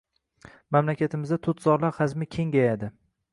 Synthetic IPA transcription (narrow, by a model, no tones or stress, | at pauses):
mamlakʲat̪ʰɪmɪzd̪at̪ʰʊt̪ʰzɒɾlaɾχazmɪkʲʰe̞ŋɡʲajad̪ɪ